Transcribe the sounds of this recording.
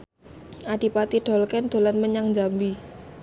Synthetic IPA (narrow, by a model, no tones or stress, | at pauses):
ʔad̥i̤pat̪iɖ̥ɔ̤lkɛnd̪̥o̤lanməɲaŋɲd͡ʒambi